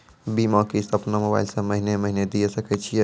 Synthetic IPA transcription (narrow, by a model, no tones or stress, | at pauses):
bimakist̪əpnamoba̰jlsə̃məɦineməɦined̪ijesəkɛt͡ʃʰij